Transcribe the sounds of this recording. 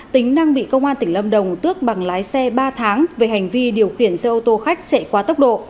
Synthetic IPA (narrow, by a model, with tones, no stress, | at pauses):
t̪ï˨˦ŋ̟na˧ŋɓḭ˧˨kə˧wŋ͡mʔaː˧nt̪ï˧˩ŋ̟lə˧mɗə˨˩wŋ͡mt̪ɨ˦˥ək̚ɓa˨˩ŋlaː˨˦jsɛ˧ɓaː˧t̪ʰaː˨˦ŋve˨˩˦ha˨˩jŋ̟vi˧ɗi˨˩əwxi˧˩ənsɛ˧ʔo˧t̪o˧xa˦˥jk̟̚t͡ɕḛ˧˨kwaː˨˦t̪ə˦˥wk͡p̚ɗo̰˧˨